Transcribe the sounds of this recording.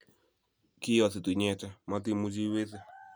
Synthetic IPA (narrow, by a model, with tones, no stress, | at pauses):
kɪ˦jɔ˨θɪ˨tu˨ɲɛ˦˨t͡ʃa˦ma˦t̬ɪ˦mu˦d͡ʒi˦we˦θe˦